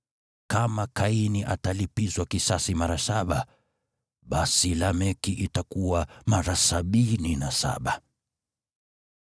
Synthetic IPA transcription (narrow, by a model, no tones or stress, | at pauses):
kamakainiʔa̰talipizwakisasimaɾasaɓa | ɓasilamɛkiʔitakuwamaɾasaɓininasa̰ɓa